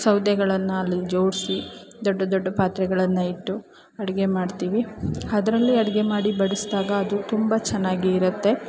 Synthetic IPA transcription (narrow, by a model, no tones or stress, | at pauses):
sɐwd̪jɐɡɐɭɐnːuɐlːid͡ʒo̞ːɽsid̪ɔɖːɐd̪ɔɖːɐpaːt̪ɾɛɡɐɭɐnːɐiʈːu | ɐɽɛɡe̞maːɖt̪iːʋiɐd̪ɐɾɐlːiɐɽɛɡe̞maːɽibɐɽisd̪aːɡɐːd̪ut̪umbɐt͡ʃɛnːaːɡiːɾut̪ːe̞